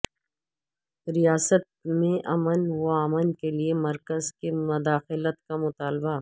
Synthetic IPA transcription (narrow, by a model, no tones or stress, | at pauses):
ɾijaːsət̪̚mẽʔɐmənwoaːmənkeliemɐɾkəzkemʊd̪aːxɪlət̪kamʊt̪aːlba